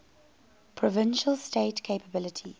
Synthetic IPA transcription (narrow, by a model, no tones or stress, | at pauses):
pʰɹɔvɪ̃nʃəlsteɪtkʰeɪpʰəbɪlɪtʰi